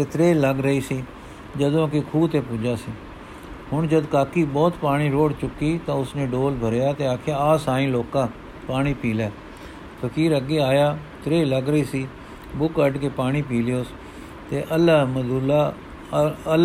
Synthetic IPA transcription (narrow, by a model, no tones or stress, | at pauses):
t̪eːt̪ɾeːləɡɾəiːsiː | d͡ʒəd̪õːkɪkʰuːt̪eːpʊd͡ʒaːsiː | ɦʊɳd͡ʒəd̪kaːkiːbɔːt̪paːɽ̃iːɾoːɽt͡ʃʊkːiːt̪ãːʊsnẽːɖoːlbʱəɾjaːt̪eːaːkʰjaːaːsaːĩːloːkãː | paːɽ̃iːpiːlɛː | pʰəkiːɾəɡeːaːjaː | t̪ɾeːləɡɾəiːsiː | bʊkəɖkeːpaːɽ̃iːpiːlɪjoːs | t̪eːʔəlaːməd̪ulaː | əl